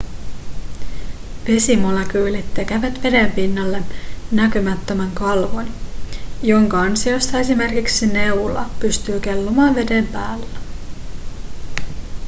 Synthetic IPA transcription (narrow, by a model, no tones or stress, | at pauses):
ʋe̞simolek̟yːlit̪ːek̟æʋæt̪ʋe̞de̞mpinːɑlːe̞nækymæt̪ːømæŋkɑlʋon | joŋkɑɑnsio̞st̪ɑe̞sime̞rkiksine̞ulɑ̰pyst̪yːke̞lːomɑːnʋe̞de̞mpæːlːæ